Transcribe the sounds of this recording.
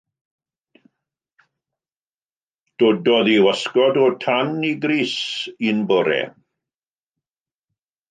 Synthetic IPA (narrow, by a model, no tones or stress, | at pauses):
d̥odɔðiwəskɔdɔtʰaniɡɾiːsinbɔɾɛ̰